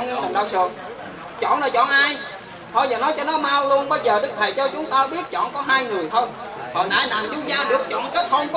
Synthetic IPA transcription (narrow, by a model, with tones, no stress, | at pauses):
ŋə˧nɗa̰˨˩ŋ͡m̚ɗaː˧˩wsɨ̰˨ | t͡ɕɔ̰˧˨nlaː˨˩t͡ɕɔ̰˧˨nʔaː˧j | t̪ʰɔ˧jzaː˨˩nɔ˨˦jt͡ɕɔ˧nɔ˨˦maː˧wlu˧ənɓə˧jzəː˨˩ɗɨ˦˥k̚t̪ʰa˨˩jt͡ɕɔ˧t͡ɕʊ˨˦ŋ͡mt̪aː˧ɓi˦˥ət̚t͡ɕɔ̰˧˨nkɔ˨˦ɦaː˧jŋɨ˨˩əjt̪ʰo˧j | hɔ̰˨˩nʔaː˧jna̰ː˨˩zu˨˦zaː˧ɗɨ˨˩ək̚t͡ɕɔ̰˧˨nkə˦˥t̚hə˧ŋ͡mk